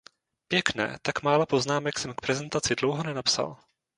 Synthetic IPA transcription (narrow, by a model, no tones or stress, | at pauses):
pjɛknɛ̰ːt̪akmaːlapo̞znaːmɛksɛmk̚pɾɛzɛnt̪at͡sɪdlowɦonɛnapsa̰l